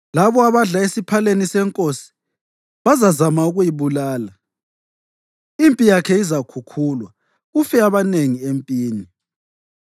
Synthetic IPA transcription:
laβɔaβaɮaesipʰalenisɛŋkʼosi̥ | βazazamauɣujiβulaːla | impʼijakʰɛizakʰukʰuːlwa | ufɛaβaneŋiempʼiːni

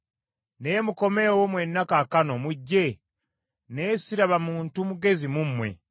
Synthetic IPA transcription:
neːmuko̞me̞ːwomwenːakakano̞muɟːe̞ | ne̞ːsiɾaβamuːntumuɡe̞zimumːwe̞̰

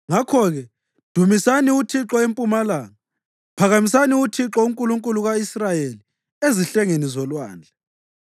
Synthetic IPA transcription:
ŋakʰɔɣɛ | d̥ʱumisaniutʰiǁɔempʼumalaːŋa | pʰaɣamisaniutʰiǁɔuŋkʼuluŋkʼuluɣaisrajeli | eziɬɛŋenizɔlwa̰ːnd͡ɮʱa

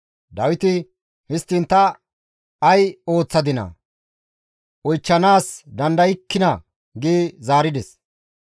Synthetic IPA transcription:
d̪ɐwɪt̪ɪ | hɪst̪ːɪnt̪ːɐː | jo̞ːt͡sːɐd̪ɪnɐ̰ | ʔɔjt͡ʃːɐnaːsd̪ɐnd̪ɐjɪkːɪnɐ | ɡɪːzaːɾɪd̪ɛs

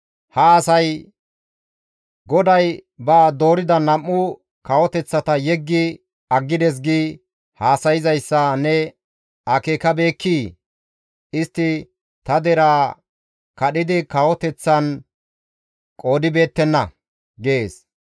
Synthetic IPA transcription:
hɐːsɐj | ɡɔd̪ɐjbaːd̪o̞ːɾɪd̪ɐnɐmːʊ | kɐwɔt̪ɛt͡sːɐt̪ɐjɛɡːɪ | ɐɡːɪd̪ɛs̬ɡiː | haːsɐjɪzɐjsːɐnɛ | ɐkeːkɐbe̞ːkʰːiː | ɪst̪ːɪ | t̪ɐd̪ɛɾaː | kɐɗɪd̪ɪkɐwɔt̪ɛt͡sːɐn | kʼo̞ːd̪ɪbe̞ːt̪ːɛnːɐ | ɡeːs

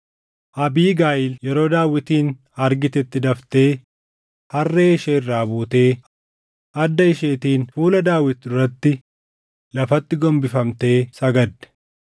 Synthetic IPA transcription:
ʔɐbiːɡaːjɪljɛɾo̞ːd̪aːwːɪt̪iːn | ɐɾɡɪt̪ɛt̪ːɪd̪ɐft̪e̞ː | hɐrːeːɪʃeːɪrːaːbuːt̪e̞ː | ʔɐd̪ːɐɪʃe̞ːt̪iːnfuːlɐd̪aːwɪt̪ːd̪ʊɾɐt̪ːɪ | lɐfɐt̪ːɪɡɔmbɪfɐmt̪e̞ːsɐɡɐd̪ːɛ̥

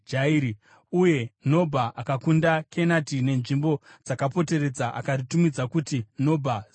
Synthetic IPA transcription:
d͡ʒaiɾi | uje̞no̞bʱaʔakakundakʰe̞natine̞nʐimbo̞d͡zakapo̞te̞re̞d͡zaʔa̰karitumid͡zakutino̞bʱa

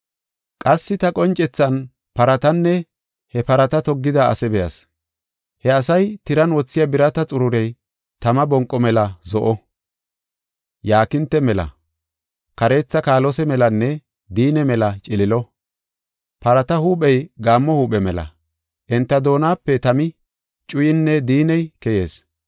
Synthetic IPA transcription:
kʼɐsːɪt̪ɐkʼɔnt͡ʃʼɛt͡sːɐn | pɐɾɐt̪ɐnːɛ | hɛpɐɾɐt̪ɐt̪ɔɡːɪd̪ɐɐ̰sɛbɛjɐ̰s | hɛɐsɐjt̪ɪɾɐnwɔt͡sːɪjɐbɪɾɐt̪ɐt͡sʼʊɾʊɾɛj | t̪ɐmɐbɔŋkʼːɔmɛlɐzɔʔɔ | jaːkɪnt̪ːɛmɛlɐ̰ | kɐɾe̞ːt͡sːɐkaːlɔsɛmɛlɐnːɛ | d̪iːnɛmɛlɐt͡ʃʼɪlɪlɔ | pɐɾɐt̪ɐhuːɓʼɛjɡaːmːɔhuːɓɛmɛlɐ̰ | ʔɛnt̪ːɐd̪o̞ːnaːpːɛt̪ɐmɪ | t͡ʃʼʊjɪnːɛd̪iːnɛjkɛje̞ːs

